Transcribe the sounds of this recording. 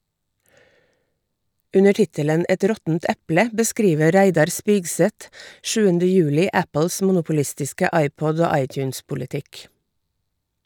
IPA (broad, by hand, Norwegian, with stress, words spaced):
ˈʉnə ˈʈɪtələn ˈɛt ˈɾɔtn̩t ˈɛplə bəˈskɾiːʋə ˈɾæɪdɑɾ ˈspiːɡˌsɛt ˈʃʉːəndə ˈjʉːlɪ ˈæpəls ˈmʊnʊpʊˌlɪstɪskə ˈɑɪˌpɔd ˈoː ˈɑɪˌtjʉːnspʊlɪˌtɪk